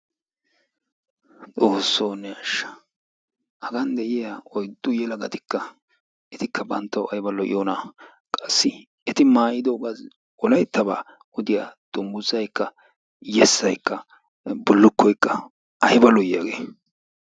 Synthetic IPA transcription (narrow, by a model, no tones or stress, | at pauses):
t͡sʼoːsːoːnɛɐʃːɐ̥ | hɐɡɐnd̪ɛʔɪjaɔjd̪ːʊjɛlɐɡɐt̪ɪ̥kːɐ | ʔɛt̪ɪkːɐbɐnt̪ːɐwɐjbɐlɔʔɪ̰joːnɐ | kʼɐsːɪ | ɛt̪ɪmaːjɪd̪oːɡaz | ɔlɐjt̪ːɐba̰ː | ɔd̪ɪjad̪̥ʊmbʊzːɐjkːɐ | jɛsːɐjkːɐ | bʊlːʊkːɔjkːɐ | ʔɐjbɐlɔjaːɡeː